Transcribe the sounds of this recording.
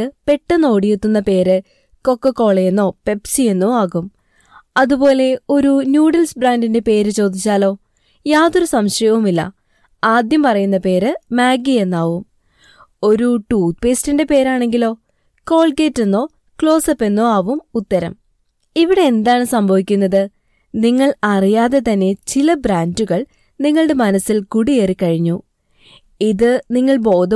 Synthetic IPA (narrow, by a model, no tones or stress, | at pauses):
ɨpe̞ʈːɨno̞ːɽijet̪ːunːɐpe̞ːɾɨ | ko̞kːɐkːo̞ːɭɐjenːo̞ːpe̞psie̞nːoːaːɣum | ɐðubo̞ːle̞o̞ɾunjuːɖɐlsbraːndinde̞pe̞ːɾɨt͡ɕo̞ːd̪ʱit͡ɕːaːlo̞ː | jaːðo̞ɾusɐmɕɐjɐʋumilːɐ̰ | aːd̪jɐmpɐrɐjunːɐpe̞ːɾɨmaːɡie̞nːaːʋum | o̞ɾuʈuːt̪̚pe̞ːstinde̞pe̞ːɾaːɳe̞ŋɡilo̞ː | ko̞ːɭkeːtːenːo̞ː | kɭo̞ːsɐpːe̞nːo̞ːɐːʋumut̪ːɐɾɐ̰m | iʋiɽe̞end̪aːɳɨsɐmbʱɐʋikʲːunːɐðɨ | niŋːɐɭɐrijaːðe̞t̪ɐnːe̞t͡ɕilɐbɾaːnduɣɐɭ | niŋːɐɭɽe̞mɐnɐsilkuɽijeːrikːɐɻiɲːu | iðɨniŋːɐɭbo̞ːðɐ